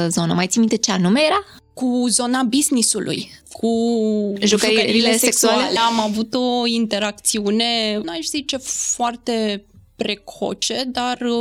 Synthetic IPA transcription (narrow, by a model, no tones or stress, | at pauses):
zo̞nəmajt̪simit̪ət͡ʃeanumejeɾa | kuzo̞nabiznisulʔṵj | kʰu | ʒuʒkəuɾkəileseeksualleleamavut̪o̞int̪e̞ɾak̚t̪siune̞naʃz̥it͡ʃe̞foart̪e̞pɾe̞kʰo̞̰t͡ʃe̞d̪ar